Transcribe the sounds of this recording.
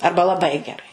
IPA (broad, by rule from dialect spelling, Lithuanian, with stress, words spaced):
ˈɐrbɐ lˠɐˈbɐɪ ɡʲɛˈrɐɪ